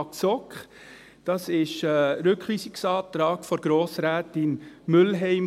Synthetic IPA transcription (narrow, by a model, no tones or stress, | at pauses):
ksɔkχ | d̥ɑsɪʃɛɾʏkχliːsɪksɑːt̪ɾɑːɡ̥fɔɾɡ̥ɾoːsɾæːtɪnmʏlɦɛɪm